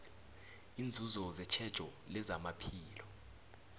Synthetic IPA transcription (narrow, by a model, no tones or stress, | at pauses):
ind͡zʱuzɔzɛt͡ʃʰɛd̥ʒ̥ʱʼɔ | lɛzamapʰiːlɔ